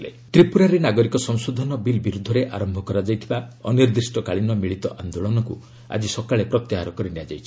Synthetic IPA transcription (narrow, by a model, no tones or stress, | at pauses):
le | t̪ɾipuɾaɾenaɡɔɾikɔsɔŋsod̪ʱɔnɔbilbiɾud̪ʱːɔɾeʔaɾɔmbʱɔkɔɾad͡ʒajt̪ʰibaɔ̰niɾd̪isʈɔkaɭinɔmiɭit̪ɔʔand̪oɭɔnɔkṵ | a̰d͡ʒisɔkaɭepɾɔt̪jaɦaɾɔkɔɾinead͡ʒajt͡ʃʰi̥